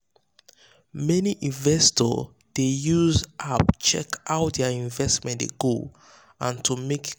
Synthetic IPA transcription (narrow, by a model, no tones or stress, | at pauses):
mɛniʔĩɱvɛstɔ̰ | dejuzʔapt͡ʃɛ̰kaʊdɛəĩɱvɛstmɛ̃ndḛɡo | ãntʰumek